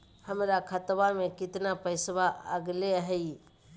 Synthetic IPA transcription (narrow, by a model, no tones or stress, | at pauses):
həmɾakʰət̪bamẽkɪt̪napəɪsbaəɡleɦɛi